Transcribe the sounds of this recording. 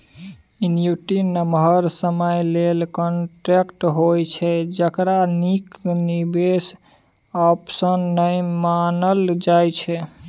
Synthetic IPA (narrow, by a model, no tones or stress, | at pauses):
injuʈinːəmɦəɾsəməjlelkɔnʈɾekʈɦojt͡ʃʰɛd͡ʒəkɾaniknibes | ɔpsənːəjmanəld͡ʒajt͡ʃʰɛ